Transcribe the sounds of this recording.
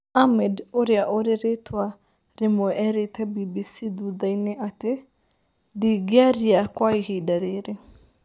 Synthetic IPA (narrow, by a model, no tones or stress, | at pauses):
amɛdoɾeaʔoɾeɾetʰwa | ɾemoɛɾetabibisid̪ud̪aineʔate | diɡɪaɾiakwaihidaɾeɾe